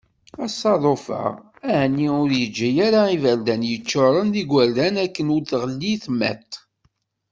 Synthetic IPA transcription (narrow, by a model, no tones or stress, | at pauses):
æsˤːɑðˤofə̰ʁ | æhnːiʊɾjəd͡ʒːæjaɾaivæld̪ænjət͡ʃːoɾˤənðiɡʷæɾd̪ænækːənʊɾθʁəlːiθmæ̰t̪ː